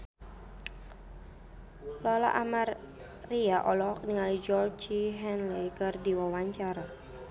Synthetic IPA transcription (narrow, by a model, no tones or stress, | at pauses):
lɔla̰ʔamarː | iaʔɔlɔk̚niŋalid͡ʒɔrd͡ʒiɦɛnlejkərdiwawaɲt͡ʃaɾa